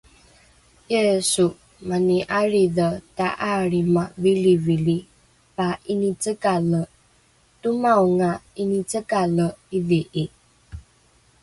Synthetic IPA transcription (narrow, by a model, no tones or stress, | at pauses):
esu | maniʔaɾiðətaʔaɾimavilivili | painit͡səkalə | tumawŋainit͡səkaləiveʔi